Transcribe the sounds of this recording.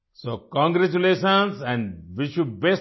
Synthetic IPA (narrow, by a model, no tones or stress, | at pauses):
soːkɔ̃ŋɡɾæt͡ʃuleːʃə̃nsɛ̃ɳɖʋiʃuɖ̚bes